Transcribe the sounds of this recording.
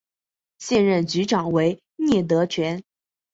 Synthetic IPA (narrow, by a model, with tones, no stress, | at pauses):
ɕjɛ˥˧nɻə˥˩nt͡ɕy˧˥ʈ͡ʂɑ˨˩ŋwe˧˥ɪ | njɛ˥˩t̪̬ɤ˧˥t͡ɕʰɥɛ˧˥n